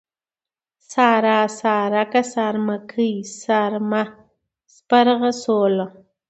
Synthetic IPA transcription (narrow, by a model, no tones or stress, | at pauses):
saːɾaːsaːɾakasaɾmakʰəjsaɾma | spaɾʁasola